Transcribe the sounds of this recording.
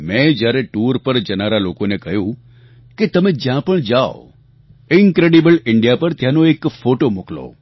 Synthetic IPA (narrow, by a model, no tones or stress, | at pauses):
mɛ̃d͡ʒjaɾeʈuɾpəɾd͡ʒənaɾalokonekəɦjũ | ket̪əmẽd͡ʒjãpəɳd͡ʒao̰ | ɪŋkɾeɽibəlɪɳɖijapəɾt̪janoekfoʈomuklo̰